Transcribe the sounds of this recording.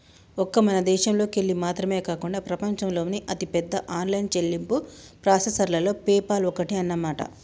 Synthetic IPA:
ɔkːɐmɐnɐd̪ɛːʃɐmlo̞ːkeɭːimaːt̪ɾɐme̞ːkaːkuɳɖaːpɾɐpɐɲt͡ʃɐmlo̞ːniʔɐt̪ipɛd̪ːɐʔaːnlɐjnt͡ʃelːimpupɾaːsɐsɐɾlɐlo̞ːpɛːpaːlɔkːɐʈiɐnːɐmaːʈɐ̰

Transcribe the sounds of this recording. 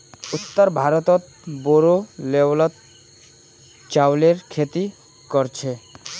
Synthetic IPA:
ut̪ːaɾbʱaɾot̪ɔt̪̚ | boɾoleblɔt̪̚ | t͡ɕawleɾkʰet̪i | kɔɾt͡ɕʰe

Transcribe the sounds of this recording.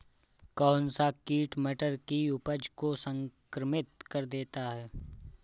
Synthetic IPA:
kɔːnsakiːʈmɛʈəɾkiʊpəd͡ʒkosə̃ŋkɾəmɪt̪kɐɾd̪eːt̪aɦɛː

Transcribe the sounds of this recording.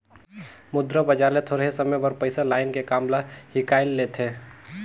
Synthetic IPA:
mʊd̪ɾəbəd͡ʒaːlet̪ʰoːɾɦesəməjbəɾpəɪsalaːɪnkekaːmlahɪkaːɪlːeːt̪ʰeː

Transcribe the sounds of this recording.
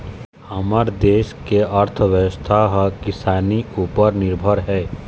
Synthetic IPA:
əməɾd̪eːʃkeʔəɾt̪ʰəʋjəwəst̪ʰaɦkɪsaːniuːpəɾnɪɾbʱəɾɦɛː

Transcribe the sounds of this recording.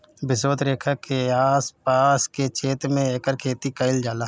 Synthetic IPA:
bɪsət̪ɾeːkʰakeaːspaːsket͡ʃeːt̪mẽeːkəɾkʰeːt̪ikəɪld͡ʒaːlaː

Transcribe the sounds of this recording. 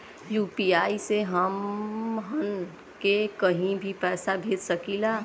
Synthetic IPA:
juːpiaːiseɦəmɦən | kekəɦĩbʱipɛːsabʱeːd̪səkilaː

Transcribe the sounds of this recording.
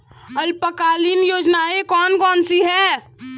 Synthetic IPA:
əlpəkalinjoːd͡ʒnaekɔːnkɔːnsiɦɛ

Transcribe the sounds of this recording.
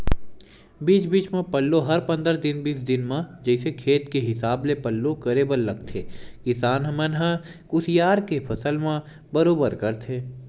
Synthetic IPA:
biːt͡ʃbiːt͡ʃmẽpəlːoɦɐɾpɐ̃nd̪əɾd̪ɪnbiːsd̪ɪnmãd͡ʒɛːsekʰeːt̪keɦɪsaːblepəlːokəɾeːbəlːɐɡ̚t̪ʰeːkɪsaːnɦɐmənɦãkʊsijaːɾkepʰɐsəlmã | bəɾoːbəɾkəɾt̪ʰeː

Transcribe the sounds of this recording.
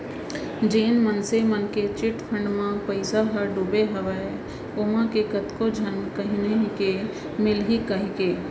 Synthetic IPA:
d͡ʒeːnmənsemənket͡ʃɪʈpʰə̃ɳɖmãpəɪsaɦəɖubeɦəʋɛ | oːmãkekət̪kod͡ʒʱənkəɦineɦike | mɪlɦikəɦikeː

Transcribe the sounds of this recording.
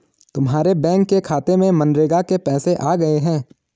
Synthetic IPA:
t̪ʊmɦaːɾebɛ̃ːŋkːekʰaːt̪emẽmɐ̃nɾeːɡakepɛːseʔaːɡɐeɦɛ̃ː

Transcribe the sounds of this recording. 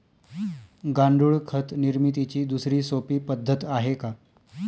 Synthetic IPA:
ɡaɳɖuːɭkʰət̪niɾmit̪̬it͡ɕiːd̪usɾiːsopiːpəd̪ʱːət̪aɦeka

